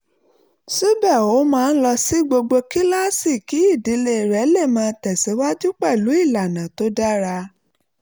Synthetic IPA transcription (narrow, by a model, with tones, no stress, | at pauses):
su˦bɛ˦˨o˨˦mãː˦˧n̩˦lɔ˧si˦ɡ͡bo˧ɡ͡bo˧ki˦la˦si˦˨ki˨˦i˦˨di˨˦le˧˨ɾɛ˨˦le˦˨mãː˧tɛ˨si˨˦wa˦d͡ʒu˦k͡pɛ˦˨lu˨˦i˦˨la˨nã˨to˦da˦ɾa˧